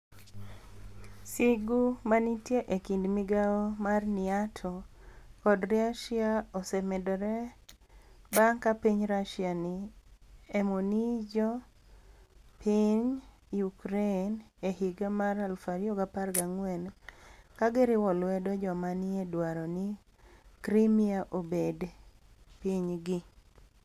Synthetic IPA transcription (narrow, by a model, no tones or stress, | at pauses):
siɡumanitjeʔekindmiɡaɔmarnɪatʰɔkɔdɾiaʃjaɔsɛmɛdɔɾɛ | baŋkapiɲɾaʃjanɪ | emonid͡ʒɔ | pʰiɲ | ukɾenehiɡamaɾalfaɾiɔɡaparɡaŋwɛnkaɡɪɾɪwɔlwɛdɔd͡ʒɔmanɪedwaɾɔnɪ | kɾimiaʔobed | piɲɡɪ